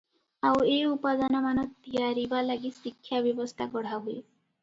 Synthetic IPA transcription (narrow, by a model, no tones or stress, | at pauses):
aweupad̪anamanɔt̪ijaɾibalaɡisikʰːjabjɔbɔst̪ʰakɔɽ̤aɦue